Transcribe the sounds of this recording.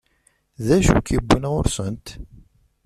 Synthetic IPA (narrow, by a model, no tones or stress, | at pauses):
ðæʃṵkibʷːənʁʊɾsənt̪